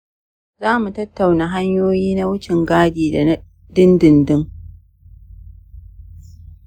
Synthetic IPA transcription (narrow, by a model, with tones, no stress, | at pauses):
zaː˦mu˨tɐ˦tːa˨wna˨ɦa˦ɲjoː˦jiː˦na˦wʊ˦t͡ʃɪ˨ŋɡaː˦diː˨da˨˦ | dɪ˦ndɪ˨ndɪ˦ŋ